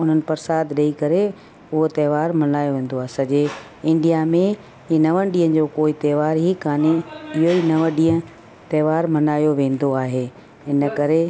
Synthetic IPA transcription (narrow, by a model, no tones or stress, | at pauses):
ʊn̤ənɪ̆pɐɾsaːd̪ɗɐikɐɾe | ʊɦot̪ɛːʋaːɾmɐnaːjoʋẽːn̆d̪oaːɦesɐd͡ʑe | ɪ̃ɳɖijamẽ | inɐʋənɗĩːə̃d͡ʑoːkoːit̪ɛːʋaːɾɦikaːneɪɦoinɐʋəɗiːə̃ | t̪ɛːʋaːɾmɐnaːjoʋẽːn̆d̪oaːɦeː | ɦɪnəkɐɾe